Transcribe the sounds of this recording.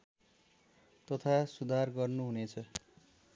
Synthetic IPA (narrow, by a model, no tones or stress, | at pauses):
t̪ʌt̪ʰasud̪ʱarɡʌrnuɦunet͡sʰʌ